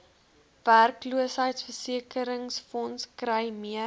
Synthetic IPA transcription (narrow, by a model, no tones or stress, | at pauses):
værkluəsɦəjtsfərsiəkəɾəŋsfɔnskrəjmiə